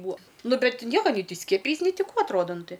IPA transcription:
ˈbuɔ ˈnʊ ˈbʲɛt ˈnʲiɛkɐ nʲɛɪ ˈtʲiː ˈsʲkʲiɛpʲɪjɛɪs nʲɛɪ tʲɪ ˈkuː ɐtˈroːdɐ ˈnʊ ˈtɐɪ

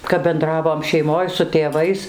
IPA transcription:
kɐp bʲɛnˈdrɑːʋoːm ʃʲɛɪˈmoːj sʊ tʲeːˈʋɐɪs

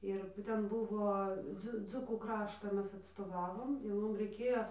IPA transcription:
ˈɪr ˈtʲɛn ˈbʊʋoː ˈd͡zʊ ˈd͡zʊkuː ˈkrɑːʃtɑː ˈmʲɛs ɐtstoːˈʋɑːʋoːm jɛʊ ˈmʊm rʲɛɪˈkʲeːjoː

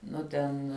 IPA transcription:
ˈnʊ tʲɛn

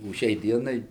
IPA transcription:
oː ˈʃʲɛɪ ˈdʲiɛnɐɪ

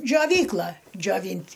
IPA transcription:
d͡ʒʲoːˈʋʲiːklˠɐ d͡ʒʲoːˈʋʲiːnʲtʲ

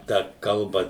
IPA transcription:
ˈtɑː ˈkɐlˠbɐ

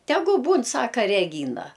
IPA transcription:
ˈtʲæːɡʊ ˈbuːn ˈsɑːkɐ rʲɛˈɡʲiːnɐ

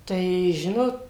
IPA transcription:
tɐɪ ˈʒʲɪnoːt

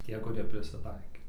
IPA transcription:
ˈtʲiɛ kʊˈrʲiɛ pʲrʲɪsʲɪˈtɐɪkʲeː

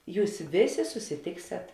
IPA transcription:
ˈjuːs ˈʋʲeːˌsʲeː sʊsʲɪˈtʲeːksʲɛt

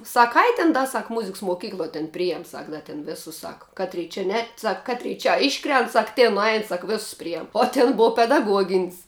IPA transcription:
ˈsɐk ˈɐɪ tʲɪn ˈdɐ ˈsɐk ˈmʊzʲɪks moːˈkʲiːklˠoːj tʲɛn ˈpʲrʲɪjɛm ˈsɐk ˈdɐ tʲɛn ˈʋʲeːsʊs ˈsɑːkɐ ˈkɑːˌtʲrʲiː t͡ʃʲɛ ˈnʲɛt ˈsɐk ˈkɑːtʲrʲɛɪ t͡ʃʲɛ ˈɪʃkrʲɛnt ˈsɐk ˈtʲeːn nʊˈɐɪn ˈsɐk ˈʋʲeːsʊs ˈpʲrʲɪjɛm oː ˈtʲɪn ˈboːw pʲɛdɐˈɡuɔɡʲɪnʲsʲ

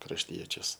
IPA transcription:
krɐʃʲˈtʲiɛt͡ʃʲʊs

